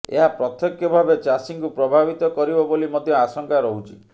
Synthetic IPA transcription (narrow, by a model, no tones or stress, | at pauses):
ḛɦapɾɔt̪jɔkjɔbʱabet͡ʃasiŋkupɾɔbʱabit̪ɔkɔɾibɔbolimɔd̪ʱjɔasɔŋkaɾɔɦut͡ʃʰi̥